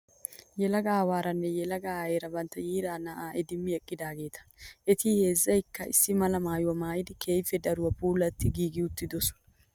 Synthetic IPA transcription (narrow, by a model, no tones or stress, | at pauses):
jɛlɐɡaːwaːɾɐnːɛjɛlɐɡaːeːɾɐbɐnt̪ːɐjiːɾaːnɐʔaːʔɛd̪ɪmːɪɛkʼːɪd̪aːɡe̞ːt̪ɐ̥ʔɛt̪iːhe̞ːzːɐjɪkːɐʔɪ̰sːɪmɐlɐmaːjʊwɐmaːjɪd̪ɪkʰeːjfɛd̪ɐɾʊwɐpʰuːlɐt̪ːɪɡiːɡɪʊt̪ːɪd̪ɔsʊ̥